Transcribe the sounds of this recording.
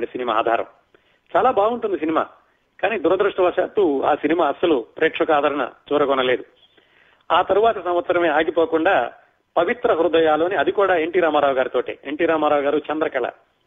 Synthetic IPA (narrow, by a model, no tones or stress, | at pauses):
ɳʈisinima̰ːd̪ʱa̰ːɾɐ̰m | t͡ʃaːlaːbaːɡuɳʈund̪is̬inima̰ː | kaːniːd̪uɾɐd̪ɾuʂʈɐʋɐʂa̰ːt̪ua̰ːsinimaːɐsːɐlupɾeːkʂɐkaːd̪ʱɐɾɐɳɐ̰t͡ʃuːɾɐkɔnɐle̞ːd̪u | aːt̪ɐɾuʋaːt̪ɐsɐmʋɐt̪sɐɾɐmeːaːɡipo̞ːkuɳɖaː | pɐʋit̪ɾɐɦuɾud̪ɐjaːlo̞ːniɐd̪ikuːɽaːeɳʈiːɾaːmaːɾaːʋɐɡaːɾit̪o̞ːʈḛːeɳʈiːɾaːmaːɾaːʋɐɡaːɾut͡ʃɐnd̪ɾɐkɐɭɐ̰